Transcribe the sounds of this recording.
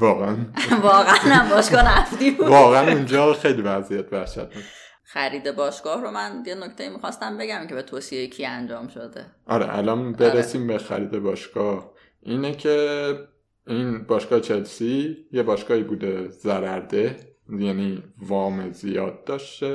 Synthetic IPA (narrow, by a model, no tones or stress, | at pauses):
vɒːɣeænvɒːɣæænæmbɒːʃɡɒːhnæft̪ibuvɒːɣænund͡ʒɒːxe̞jliːvæzijæt̪ʰvæhʃæ̰t̪̚ʰnis | xæɾiːd̪ebɒːʃɡɒːhɾomænjenocʰt̪ejimixɒst̪æmbe̞ɟæmcʰebet̪ʰoːsiejecʰiænd͡ʒɒːmʃod̪eʔɒ̰ɾḛʔæ̰lɒnbe̞ɾesiːmbexæ̰ɾiːd̪e̞bɒːʃɡɒh | ʔiːnecʰe̞ | inbɒːʃkɒːhet͡ʃʰelsijebɒːʃɡɒːhiːbuːd̪e̞zæɾæɾd̪e̞jæniːvɒːmezijɒːd̪̚ːɒːʃt̪e